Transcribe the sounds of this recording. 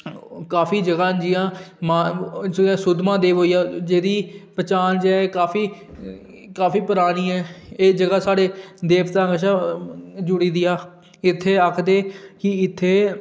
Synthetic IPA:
kaːpʰiːd͡ʒəɡaːd͡ʒɪjãːmaːd͡ʒãːsʊd̪mãːd̪eːʋɦoːiːaːd͡ʒeːd̪iːpət͡ʃaːnd͡ʒɛːeːkaːpʰiː | kaːfiːpəɾaːnĩːɛːeːd͡ʒəɡaːsaːɽeːd̪eːpt̪ãːɡəʃãːd͡ʒʊɽiːd̪ɪjaː | ɪt̪ʰːeːakʰd̪eːkɪɪt̪ʰːeː

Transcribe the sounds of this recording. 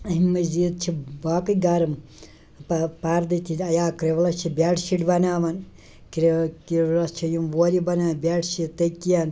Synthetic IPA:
ɐɦimɐzid̪̚t͡ʃʰibaːkɐɡaɾɐm | pɐpaɾd̪it̪ʰit̪ʲɐjaːkɾeʋlɐt͡ʃʰibʲaːʈʰʃiʈbɐnaːʋɐn | kɾekilɐst͡ʃʰijumʋoːɾibɐnaːbʲaːʈʰʃit̪ɐkijan

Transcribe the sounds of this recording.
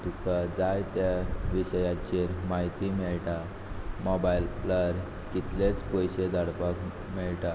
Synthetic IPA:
t̪ukad͡zajt̪jaʋiɕəjat͡ɕeɾmaɦit̪imeɭʈa | mɔbajilːəɾ | kit̪let͡spɔjɕed̪aɽpak | miɭʈa

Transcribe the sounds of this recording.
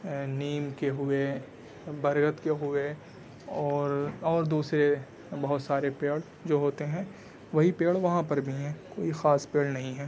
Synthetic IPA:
niːmkeɦʊe | bɐɾɡət̪keɦʊe | ɔːɾɔːɾd̪uːsɾe | bɐɦʊt̪saːɾepeːɽ | d͡ʒoːɦoːt̪eɦɛ̃ | ʋɐɦipeːɭʋɐɦãpɐɾbʱiɦɛ̃ːkoːixaːspeːɭnɐɦĩɦɛː

